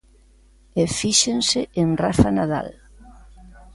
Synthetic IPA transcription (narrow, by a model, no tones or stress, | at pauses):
efiʃenseʔenrafanaða̰l